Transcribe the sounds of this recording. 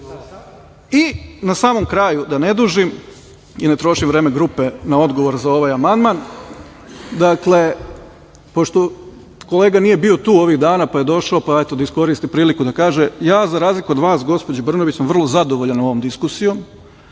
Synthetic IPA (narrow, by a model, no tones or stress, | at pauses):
inasaːmo̞mkɾaːjud̪ane̞d̪uʒim | inet̪ɾo̞ʃimʋɾe̞ːmeɡɾupenao̞d̪ɡo̞ʋo̞ɾzao̞ʋajamand̪man | d̪akle̞ | po̞ʃt̪o̞ | ko̞leːɡanije̞bio̞t̪uːo̞ʋiɣd̪aːnapaje̞d̪o̞ʃaopaaet̪od̪aisko̞ɾist̪ipɾiːlikud̪akaːʒejaːzaɾaːzlikuod̪ʋaːsɡo̞spo̞d͡ʑebr̩noʋit͡ɕsamʋr̩lˠo̞zad̪o̞ʋo̞ʎano̞ʋo̞md̪iskusijo̞m